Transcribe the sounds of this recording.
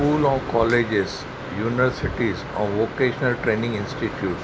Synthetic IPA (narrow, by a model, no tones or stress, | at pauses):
uːlɔ̃ːkɔːled͡ʒɪz | juːnɪʋəɾsɪʈizɔ̰̃ːnʋoːkeːʃənəlʈɾẽːnɪ̃ŋɡɪ̃nsʈiʈjuːʈ